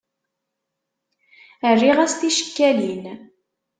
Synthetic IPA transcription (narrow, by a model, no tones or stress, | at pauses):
ərːiʁæst̪iʃə̥kːælin